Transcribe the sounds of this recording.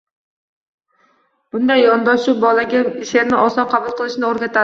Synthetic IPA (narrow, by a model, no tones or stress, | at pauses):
b̥ʊnd̪ajːɒnd̪ɒʃt͡ʃʊbɒlaɡʲaɪʃeɾnɪʔɒsɒqʰɑbʊlˠqʰɨlˠɪʃnɪoɾɡʲat̪ʰa